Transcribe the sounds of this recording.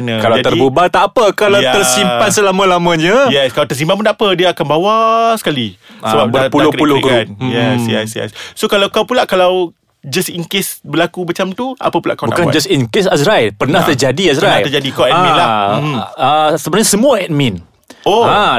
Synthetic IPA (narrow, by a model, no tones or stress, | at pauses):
nãkalad͡ʒadt̪əribubat̪aːpəkalawt̪ərsimpansəlamãlamãɲãjɛskalat̪ərs̬impanmpunaʔpədiaakanbawasə̥kalisəbap̚bərtpulʊhkəɾulʊkkanjɛsjɛsjɛ̰ssokalawkawpulaʔkalaw | d͡ʒasiŋkɪsbəlakumat͡ʃamt̪ua̰pəpula̰ʔkawnba̰ʔkand͡ʒasiŋkɪsasɾajlpərnãht̪ərd͡ʒadiasɾanaərd͡ʒadikawʔɛmĩla | əsəbənaɲãsəmũaɛt̪̚mĩn | oa